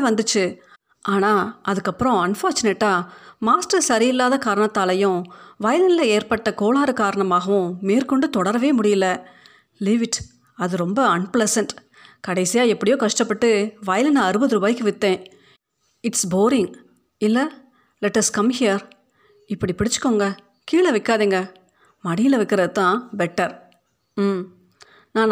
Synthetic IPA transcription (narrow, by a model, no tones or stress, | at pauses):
ʋɐnd̪ɯt͡ʃːɯ | ʔaːnaːɐðɯkːɐpːɯɾɔ̃ɐnfaːɾt͡ʃʊneʈːaːmaːsʈɐɾsɐɾɪjɪlːaːðɐkaːɾɐɳɐt̪ːaːlɐjʊ̃ʋɐjɐlɪnlɐeːɾpɐʈːɐkoːlaːɾɯkaːɾɐɳɐmaːɣɐʋʊ̃meːɾkɔɳɖɯt̪ɔɽɐɾɐʋeːmʊɽɪjɪlːɐ | liːʋɪʈ | ɐðɯɾɔmbɐɐnplɛsɐɳʈ | kɐɽɐɪsɪjaːɛpːɐɽɪjoːkɐʂʈɐpːɐʈːɯʋɐjɐlɐnãɐɾɯbɐðɯɾʊbaːjɪkːɯʋɪt̪ːẽː | ɪʈsboːɾɪŋɡ | ɪlːɐ | lɛʈːɐskɐmhɪjɐɾ | ɪpːɐɽipɪɽɪt͡ʃːɯ̥kːoːŋɡɐ | kiːɭɐʋɪkːaːðiːŋɡɐ | mɐɽɪjɪlɐʋɪkːɪɾɐðɯt̪ãːbɛʈːɐɾ | nãːn